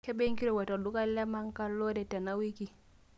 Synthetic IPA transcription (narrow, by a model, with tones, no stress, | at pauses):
ke˦be˦ŋki˦ɾo˨wa˨to˨du˦ka˦lɛ˦ma˦ŋka˦lo˦dɛ˨tɛ˨na˦wi˦ki˨